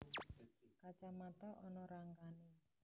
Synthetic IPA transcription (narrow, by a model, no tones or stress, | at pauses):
kat͡ʃamat̪aʔɔnɔɾaŋkani